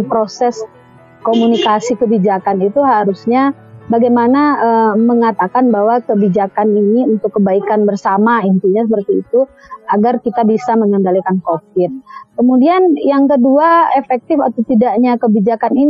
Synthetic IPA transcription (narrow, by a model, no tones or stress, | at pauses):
pɾosɛs | komunikasikəbid͡ʒakanit̪uɦaɾusɲabaɡajmanaəməŋat̪akanbaɦwakəbid͡ʒakaniniunt̪ʊkːəbaikanbərsamaint̪iɲasəpərt̪ḭːt̪uaɡarkit̪abisaməŋəndalikankofɪt̪̚kəmudianjaŋkəduaefɛk̚t̪ɪfat̪awt̪idaʔɲakəbid͡ʒakanin